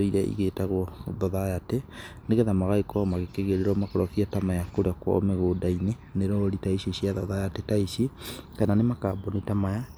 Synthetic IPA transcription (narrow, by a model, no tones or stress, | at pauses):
oiɾɛʔḭɣetaɣoðɔðajateneɣɛðamaɣaekɔmaɣekeɣeɾeɾɔmakoɾɔkiatamajakoɾeakwɔ̰meɣoːdaineneɾɔɾitaisiʃiaðɔðajatetaisikananemakabɔnitamaja